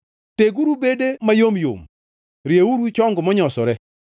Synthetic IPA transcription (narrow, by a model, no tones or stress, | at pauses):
teɡuɾubedemajomjo̰m | ɾjeuɾwit͡ʃɔŋɡɔmɔɲɔsɔɾɛ